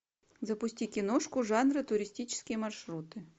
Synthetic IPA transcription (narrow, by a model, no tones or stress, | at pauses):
zɐpʊsʲtʲikʲɪnoʂkʊʐanɾɨt̪ʊɾʲɪsʲtʲit͡ɕɪ̥skʲɪjəmɐrʂɾut̪ɨ